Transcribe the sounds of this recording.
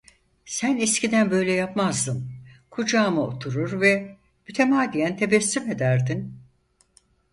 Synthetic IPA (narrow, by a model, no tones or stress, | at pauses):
sænɛscʰid̪ænbø̞jlʲɛjapmazd̪ɯmkʰud͡ʒaːmɯo̰t̪ʰuɾuɾvɛ | myt̪ʰemaːd̪ijænt̪ʰe̞bɛsːyme̞d̪æɾd̪in